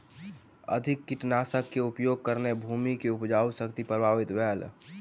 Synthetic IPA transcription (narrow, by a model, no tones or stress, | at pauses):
ə̰d̪ʱɪkːɪʈnaːsəkːeʊpjoːɡ̚kəɾnebʱuːmikeʊpd͡ʒaːusəkt̪ipɾəbʱaːʋɪt̪ʋɛːl